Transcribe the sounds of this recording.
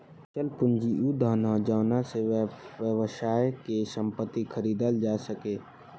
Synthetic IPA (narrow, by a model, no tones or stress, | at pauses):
t͡ʃəlpʊnd͡ʒiʔud̪ʱaːnad͡ʒaːnaseʋəʋʃaːjkesə̃mpət̪ːikʰəɾiːd̪əld͡ʒaːsəkeː